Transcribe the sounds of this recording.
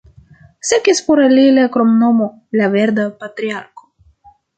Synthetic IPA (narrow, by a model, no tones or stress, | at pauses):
sekispoɾalilekɾomnomo | laveɾd̪apat̪ɾiaɾko̥